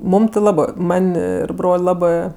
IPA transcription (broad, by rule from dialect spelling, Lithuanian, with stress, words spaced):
ˈmuːm tʲɪ ˈlˠɑːbɜ ˈmɐnʲ ˈɪr ˈbroːlʲ ˈlˠɑːbɜ